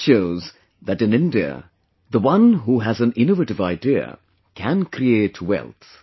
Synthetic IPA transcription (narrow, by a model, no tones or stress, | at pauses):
ʃoʊz | ðæʈɨ̃nɪ̃ndiə̰ | ðəwʌ̃nɦuɦæzæ̃nɪ̃novəʈɨvaɪdiə̰ | kʰæ̃nkɾieːtʰwɛ̰lˠt̪